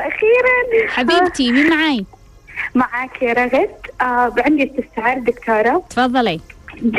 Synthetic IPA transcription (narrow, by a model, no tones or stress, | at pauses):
ʔaxiːɾanħabiːbt̪iminmaʕaːj | maʕaːkʰɾˤɑɣɪt̪abʕɪnd̪ist̪ɪst̪aʕɪɾd̪ɪkt̪ʰɑːɾˤɑt̪fɑðˤːɑli